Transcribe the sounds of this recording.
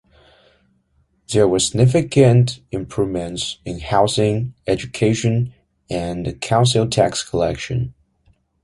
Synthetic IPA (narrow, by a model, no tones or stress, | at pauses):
ðə˞wə˞sɪɡ̚nɪfɨkɨ̃ntɪ̃mpʰɹ̥uvmɨ̃ntsɨ̃nhaʊsɪ̃ŋɛd͡ʒɨkʰeɪʃɨ̃n | ɨ̃nkʰãʊ̃nsl̩ˠtʰækskʰəlɛ̰kʃɨ̰̃n